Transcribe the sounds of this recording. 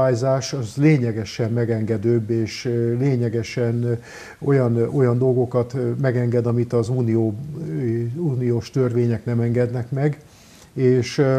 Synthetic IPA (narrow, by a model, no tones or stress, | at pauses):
aːjzaːʃɒzleːɲɛɡɛʃɛmmɛɡɛŋɡɛd̪øːbːeːʃleːɲɛɡɛʃɛn | o̞jɒno̞jɒnd̪o̞lɡo̞kɒt̪mɛɡɛŋɡɛd̪ɒmit̪ɒzuːnijoː | uːnijoːʃt̪ørʋeːɲɛknɛmɛŋɡɛd̪nɛkmɛɡ | eːʃ